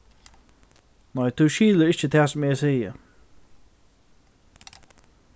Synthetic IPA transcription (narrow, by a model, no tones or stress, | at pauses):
nɔjt̪ʰuːʃiːlˠəɪʃt͡ʃət̪ʰɛsmeːseːjə